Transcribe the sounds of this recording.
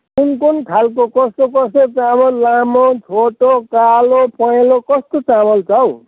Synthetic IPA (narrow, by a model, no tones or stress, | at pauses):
kunkunkʰalkokʌst̪okʌset͡samʌlːamot͡sʰoʈokalopʌjlokʌst̪ot͡samʌlt͡saw